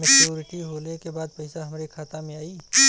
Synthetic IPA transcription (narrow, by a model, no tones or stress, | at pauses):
mɐkt͡ʃuːɾɪʈiɦoːlekebaːd̪pɐɪsaɦɐmɾekʰaːt̪amẽaːiː